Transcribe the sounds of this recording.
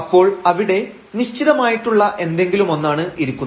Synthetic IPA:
ɐpːo̞ːɭɐʋiɽe̞ | niɕt͡ɕiðɐmaːjiʈːuɭːɐʔe̞nd̪e̞ŋɡilumo̞nːaːɳɨiɾukʲːunːɐ

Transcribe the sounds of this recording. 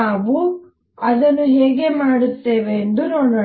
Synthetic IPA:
aːʋu | ɐd̪ɐnːuɦeːɡe̞maːɽut̪ːeːʋeːnd̪unoːɽo

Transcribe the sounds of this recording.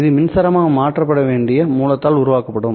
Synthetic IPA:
ɪðɯmɪnsɐɾɐmaːɐmaːʈrɐpːɐɽɐʋeːɳɖɪjɐmuːlɐt̪ːaːlʊɾʊʋaːkɐpːɐɽɯm

